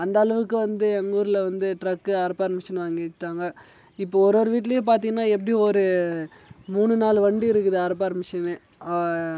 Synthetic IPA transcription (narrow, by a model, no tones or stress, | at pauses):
ɐnd̪ɐːɭɐʋɯkːɯʋɐnd̪ɯɛŋɡuːɾɪlʋɐnd̪ɯʈɾɐkːɯɐɾɐpːaːɾɐmɐʂɐnʋaːŋɡɪʈːaːŋɡɐ | ɪpːoɔɾɯoːɾɯʋiːʈ̬ːɪlɐjep̬aːɾt̪̬iŋɡɐnːaːɛp̬ːɐɽij̃ɔɾɯ | muːɳɯnaːlɯʋɐɳɖiɪɾɯkːɯðɯɐɾɐp̬ːaːɾɐmɪʂɐnɯ